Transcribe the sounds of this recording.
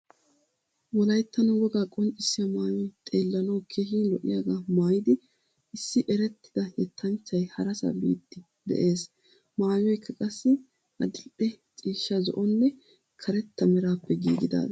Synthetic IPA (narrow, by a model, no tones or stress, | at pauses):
wɔlɐjt̪ːɐnɔwɔɡaːkʼɔnt͡ʃʼɪsːɪjɐmaːjɔjt̪ʼe̞ːlːɐnɐwkʰeːhiːlɔʔɪjaːɡaːmaːjɪd̪ɪ | ɪsːɪʔɛɾɛt̪ːɪ̥d̪ɐjɛt̪ʰːɐnt͡ʃːɐjhɐɾɐsɐ̰bḭːt̪ːɪ | d̪ɛ̰ʔe̞ːs | maːjɔjkʰːɐkʼɐsːɪ | ʔɐ̰d̪ɪlʔɛ | t͡sʼiːʃːɐzɔ̰ʔɔnːɛ | kʰɐɾɛt̪ːɐmɛɾaːpːɛɡḭːɡɪd̪a̰ːd̪